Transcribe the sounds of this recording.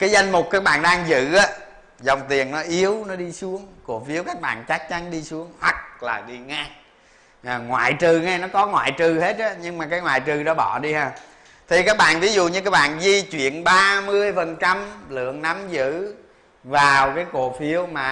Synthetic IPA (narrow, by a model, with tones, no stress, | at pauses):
kaː˨˦jza˧jŋmo˨˩k͡p̚kaː˦˥k̚ɓa̰ː˧˨nɗaː˧ŋzɨ̰˧˨ʔaː˨˦ | zə˨˩wŋ͡mt̪i˨˩ənnɔ˨˦ʔi˨˦əwnɔ˨˦ɗi˧su˨˦əŋko˧˩˨fi˨˦əwkaː˦˥k̚ɓa̰ː˧˨nt͡ɕa˦˥k̚t͡ɕa˨˦nɗi˧su˨˦əŋhwa˨˩k̚laː˨˩ɗi˧ŋa˨˧˦ | ŋwa̰ː˧˨jt͡ɕɨ˨˩ŋa˧nɔ˨˦kɔ˨˦ŋwa̰ː˧˨jt͡ɕɨ˨˩he˦˥t̚a˨˦ɲɨ˧ŋmaː˨˩kaː˨˦jŋwaː˧˨jt͡ɕɨ˨˩ɗɔ˨˦ɓɔ˧˩˨ɗi˧haː˨˩ | t̪ʰi˨˩kaː˦˥k̚ɓa̰ː˧˨nvi˨˦zṵ˧˨ɲɨ˧kaː˦˥k̚ɓa̰ː˧˨nzi˧t͡ɕwḭ˧˨ənɓaː˧mɨ˧əjfə˨˩nt͡ɕa˧mlɨ̰˧˨əŋna˨˦mzɨ̰˧˨ | vaː˨˩wkaː˨˦jko˧˩fi˨˦əwmaː˨˩